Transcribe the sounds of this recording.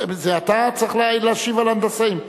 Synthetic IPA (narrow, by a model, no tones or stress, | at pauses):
zeat̪at͡sʁiχlleaʃivaland̪asaim